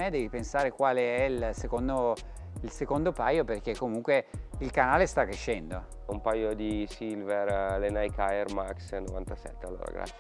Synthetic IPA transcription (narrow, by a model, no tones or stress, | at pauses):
ɛd̪ɛːvipensaːɾekwaːleɛilsekond̪o | ilsekond̪opaːjoperk̟ekːomuŋkweilkanaːlest̪akːɾeʃːɛnd̪o | umpajod̪isilveɾlenajkajermaksnovant̪asɛ̰t̪ːealːo̰ːɾa̰ɡɾa̰t̪sː